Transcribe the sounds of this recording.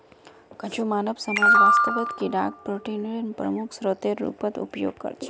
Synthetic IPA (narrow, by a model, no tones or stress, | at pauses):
kət͡ʃumaːnəʋsəmad͡ʒʋast̪əʋət̪kiɖa̰ɡ̚pɾoʈinɾinpɾə̰mʊkʰsɾot̪eɾːṵpət̪ṵpjo̰ɡ̚kə̰ɾt͡ʃʰe